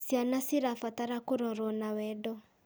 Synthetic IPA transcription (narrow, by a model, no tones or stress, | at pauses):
sjanasiɾafataɾakoɾɔɾɔnawɛdɔ